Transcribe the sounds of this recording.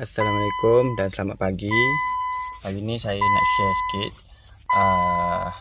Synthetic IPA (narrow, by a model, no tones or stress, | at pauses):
ʔasalamalikʊmdansəlamaʔ̪̚paɡi | paɡinisajaiŋə̰ʔʃəsə̥kit̪̚ | ə